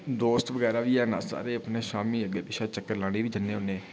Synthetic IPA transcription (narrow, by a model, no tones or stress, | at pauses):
d̪oːst̪ʋəɡɛːɾaːʋiːɛːna̰ːsa̰ːɾeːəpneːʃaːmiːəɡeːbɪʃaːt͡ʃəkːəɾlaːɽ̃iːʋiːd͡ʒənːẽːʊnːeː